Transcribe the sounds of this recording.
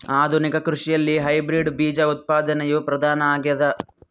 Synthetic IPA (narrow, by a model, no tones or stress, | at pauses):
aːd̪ʱunikɐkɾuʂijɐlːiɦɐjbɾiɖbiːd͡ʒɐut̪̚paːd̪ɐnɐjupɾɐd̪ʱaːnɐaːɡjɐd̪ɐ